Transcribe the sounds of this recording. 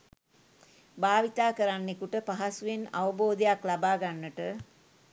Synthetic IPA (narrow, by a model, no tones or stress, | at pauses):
baːʋit̪aːkəɾanːekuʈəpaɦasuʋena̰ʋəboːd̪ejaklabaːɡanːəʈə